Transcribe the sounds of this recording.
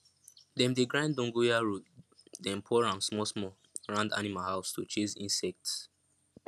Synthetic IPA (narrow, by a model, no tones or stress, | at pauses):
dɛ̃mdeɡɹãndɔ̃ŋɡujaɹutdɛ̃npʰɔɹãmsmɔsmɔ | ɹãnda̰nimalhaʊsto̰t͡ʃizḭ̃nsɛk̚ts